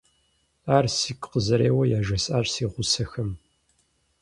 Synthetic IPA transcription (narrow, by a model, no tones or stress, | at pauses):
aːrsikʰʼqəzɐɾeːwɐjaːʒɐsʼaːɕsiːʁʷʊsɐxɐm